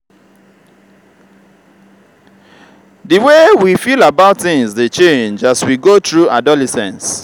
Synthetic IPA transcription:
dəwewifilabaʊtθɪ̃ŋsðet͡ʃẽnd͡ʒaswiɡotɹuʔadɔlɛsɛ̰̃ns

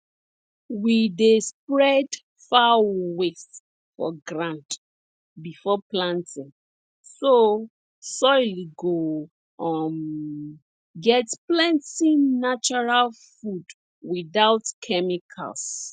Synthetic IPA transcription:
widespɹɛd | fawes | fɔ̰ɡɹãnt | bifɔplãntʰĩŋ | so | sɔɪliɡo | m | ɡɛtplãntĩŋnat͡ʃɔɹalfud | wiðawtkʰɛmikʰa̰ls

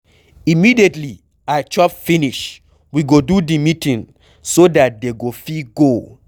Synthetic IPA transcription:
imidietli | at͡ʃɔpfiniʃ | wiɡodudimitĩŋ | sodat̚deɡofiɡo

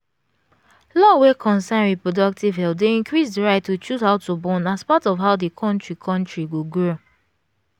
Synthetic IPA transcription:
lɔwekʰɔ̃nsãnɹipɹɔdɔk̚tivɦɛl̚deĩnkɹisdəɹaɪtːut͡ʃuzhaʊtubɔ̃naspatɔvɦaʊdikʰɔ̃ntɹikʰɔ̃ntɹiwuɡɹo

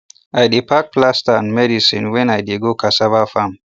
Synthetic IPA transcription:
ʔajdipak̚plastanmɛdisĩnwɛnajdeɡokasabafam

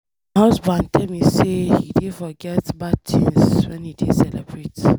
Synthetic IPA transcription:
haʊsbãndtʰɛlmisehidifɔɡɛtbad̚t͡ʃʰĩnswɛ̰̃nhidḭdsɛlɛ̰bɹet

